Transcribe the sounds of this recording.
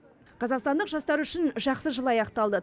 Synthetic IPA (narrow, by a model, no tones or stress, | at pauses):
qʰɑzɑqst̪ɑnd̪əqʒɑst̪ɑɾʏʃɪnʒɑqsəʒəlˠɑjɑqt̪ɑlˠd̪ə